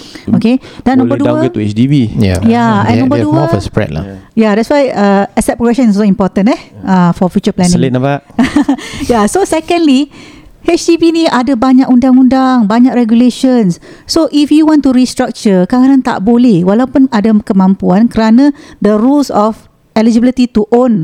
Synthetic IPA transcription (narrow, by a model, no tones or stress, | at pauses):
okedanːɔ̃mbərduəɡət̪uɛ̰t͡ʃdibia̰jaɛ̃nːɔ̃mbədufspɹɛ̰d̚la̰jadɛtswajəɛsɛt̚pɾoɡɛkʃɔ̃nssɔimpɔt̪ə̃nɛhəfɔfjut͡ʃəplɛnĩŋlnapaʔ | jasosɛkə̃ndli | hɛt͡ʃdibinĩʔadabaɲakundaŋundaŋbaɲakrɛɡjuleʃə̃nssoʔifjuwɔ̃ntuɾist̪ɾak̚t͡ʃəkaɣanãnt̪a̰ʔbolɛhwalawpʊnadəkəmãmpuankəɾanãd̪əɾulsɔf | ɛlid͡ʒibilit̪it̪uʔon